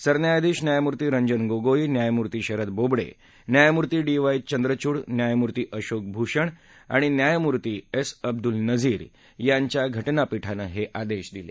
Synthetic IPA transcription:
səɾnjajd̪iːɕnjajmuɾt̪iːɾəɲd͡ʑənɡoɡoinjajmuɾt̪iːɕəɾət̪̚bobɽḛ | njajmuɾt̪iːɖiʋajt͡ɕənd̪ɾət͡ɕuːɽnjajmuɾt̪iːʔəɕok̚bʱuɕəɳ | a̰ɽ̃injajmuɾt̪iːesəb̚d̪ulnəd͡ziːɾ | jaɲt͡ɕjaɡʱəʈnapiʈʰanəɦeʔad̪eɕd̪ilḛ

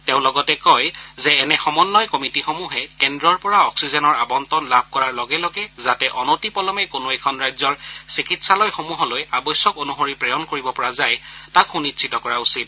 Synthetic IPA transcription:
tẽʊ̃lɔɡɔtɛkɔjzɛːnɛxɔmɔnːɔjkɔmitixomuɦɛkɛndɹɔɹpɔɹaɔksizɔnɔɹabɔntɔnlab̚ʱkɔɹaɹlɔɡɛlɔɡɛzatɛʔɔnotipɔlɔmɛkonoɛkʰɔnɹajzɔɹsikitsalɔjxomuɦɔlojabɔjsːɔkonuxoɹipɹɛjɔnkoɹibɔpɔɹazajtakxunitsʰitɔkɔɹausit̚

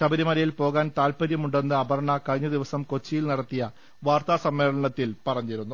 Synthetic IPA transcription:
ɕɐbɐɾimɐɾɐjilpo̞ːɣaːnt̪aːlpɐɾjɐmuɳɖe̞nːɨɐbɐɾɐɳɐkɐɻiɲːɐd̪iʋɐsɐmko̞t͡ɕːijilnɐɽɐt̪ːijɐ | ʋaːrt̪aːsɐmːe̞ːɭɐɳɐt̪ːilpɐrɐɲːiɾunːu

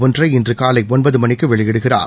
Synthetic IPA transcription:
ʋɯndrɐɪɪndrɯkaːlɐɪɔnbɐðɯmɐnɪkːɯʋɛɭɪjɛɽɯɣɪra̰ːɾ

